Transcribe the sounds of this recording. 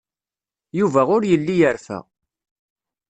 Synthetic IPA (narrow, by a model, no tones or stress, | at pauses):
juvæʁʊɾjəlːijəɾfæ̰